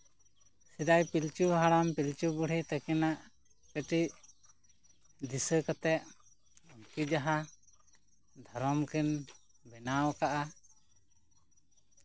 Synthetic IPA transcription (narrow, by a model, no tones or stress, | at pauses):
sid̪ajpilt͡ʃuɦaɽampilt͡ʃubuɽ̤it̪akɛnaʔ | kəʈiʔ | d̪isəkɔt̪ɛʔ | ɔnkid͡ʒaɦa | d̪ʱɔɾɔmkʰin | bɛnawkaʔa